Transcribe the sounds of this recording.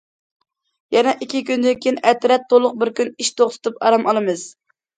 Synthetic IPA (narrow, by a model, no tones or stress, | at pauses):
jɛnɛʔikʲʰːikʲynd̪ɪnkʲʰiinʔɛt̪ɾɛt̪ʰːolˠʊq̚bɪɾkʲyniʃt̪ʰoχt̪ʰɨ̥t̪ʰupɑɾɑmʔɑlˠɨmɨz̥